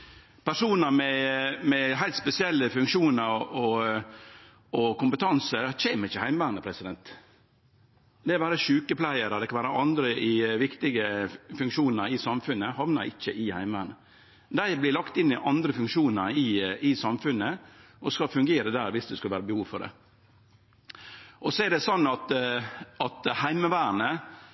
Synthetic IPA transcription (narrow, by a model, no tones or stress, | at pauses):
pʰæʂuːnəɾmɛmɛɦæɪlt̪spɛsɪɛlːəfʉŋkʃuːnəɾɔ | ɔkʊmpət̪ʰɑnsəɾc͡çeːməɾɪçːəhæɪməʋæːɾnəpʰɾɛsɪd̪ɛnt̪ | d̪ɛkɑʋæːɾəʃʉːkəpʰlæɪəɾɔd̪ɛkʰɑnʋæːɾəʔɑnd̪ɾəʔɪʋɪkt̪ɪɡəfʉŋkʃuːnəɾɪsɑmfʉnːəhɑʋnəɾɪçːəʔɪhæ̰ɪməʋæːɾɳə | d̪æɪblɪlɑkt̪ɪnːɪʔɑnd̪ɾəfʉŋkʃuːnəɾɪɪsɑmfʉnːəʔɔskɑfʉŋɡeːɾəd̪æːɾʋɪsd̪ɛskʉlʋæːɾəbəhuːʋfɔd̪ɛ̰ | ʔɔsɔɛd̪ɛsɔnːɑt̪ | ɑt̪hæɪməʋæːɾnə